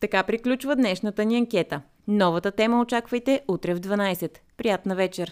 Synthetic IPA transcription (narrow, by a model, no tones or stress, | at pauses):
t̪ɐkapɾiklʲut͡ʃvəd̪nɛʃnət̪əniɐŋkʲɛt̪ə | nɔvət̪ət̪ɛməot͡ʃakvəjt̪ɛʔut̪ɾɛvd̪vɐnajsɛt̪ | pɾijat̪nəvɛt͡ʃɛɾ